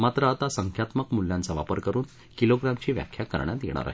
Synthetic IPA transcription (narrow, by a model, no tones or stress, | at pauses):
mat̪ɾəat̪asəŋkʰjat̪məkmulːjãnt͡saʋa̰pəɾkəɾuːn | kiloɡɾamt͡ɕiːʋja̰kʰjakə̰ɾɳjat̪jḛɳ̃a̰ɾa̰ɦ